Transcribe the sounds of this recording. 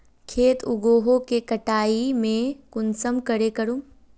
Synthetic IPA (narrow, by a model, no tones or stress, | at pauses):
kʰeːt̪ʰʊɡoːɦokekɐʈaːimẽkʊnsəmkɐɾekɐɾũ